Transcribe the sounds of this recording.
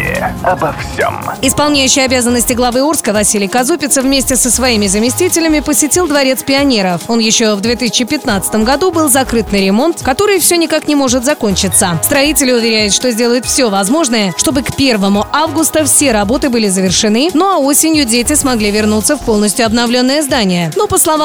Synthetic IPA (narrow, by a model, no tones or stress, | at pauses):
ɐbɐfsʲḛmɪspɐlˠnʲæjʉɕːɪjɐbʲazənːəsʲtʲɪɡlˠɐvɨurskəvɐsʲilʲɪjkɐzupʲɪt̪səvmʲesʲtʲɪsəsvɐimʲɪzəmʲɪsʲtʲitʲɪlʲɪmʲɪpəsʲɪtʲilˠd̪vɐɾʲe̞t̪spʲɪɐnʲe̞ɾəfo̞njɪɕːovd̪vʲe̞t̪ɨsʲɪ̥t͡ɕːɪpʲɪt̪nat̪sɨ̥t̪əmɡɐd̪ubɨlˠzɐkɾɨt̪nɨɾʲɪmo̞nt̪kɐt̪o̞ɾɨjfsʲonʲɪkaknʲɪmo̞ʐɨt̪zɐko̞nʲt͡ɕɪt̪səst̪ɾɐitʲɪlʲɪʊvʲɪɾʲæjʊt̪ʂt̪o̞zʲdʲe̞ləjɪt̪fsʲovɐzmo̞ʐnəjəʂt̪o̞bɨkpʲe̞rvəmʊʔavɡʊst̪əfsʲe̞ɾɐbo̞t̪ɨbɨlʲɪzəvʲɪrʂɨnɨno̞ɐo̞sʲɪnʲjʊdʲetʲɪsmɐɡlʲivʲɪrnut̪səfpo̞lˠnəsʲtʲjʊɐbnɐvlʲo̞nːəjəzd̪anʲɪjənopəslˠɐva